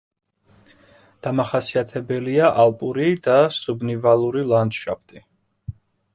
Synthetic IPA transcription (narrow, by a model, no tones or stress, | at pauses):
d̪̥amaχasiat̪ʰɛbɛliaʔalˠpʼuɾid̪asubnivalˠuɾilˠand̪ʃa̰p̚ʰt̪ʼi